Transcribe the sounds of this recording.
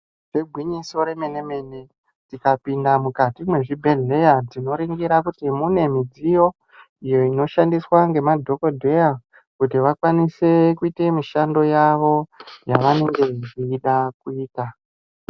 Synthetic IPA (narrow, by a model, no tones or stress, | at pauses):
ʐeɡʱwiɲiso̞ɾe̞me̞ne̞me̞ne | tikapindamukatimwe̞ʐibʱe̞ɮe̞jad͡zino̞ɾiŋɡiɾakutimune̞mid͡zijo̞ | ijo̞ino̞ʃandiswaŋɡe̞madʱo̞ko̞dʱe̞ja | kutiʋakwanise̞kuite̞miʃando̞jaʋo̞jaʋane̞ŋɡe̞ʐiːɗak̚uiːta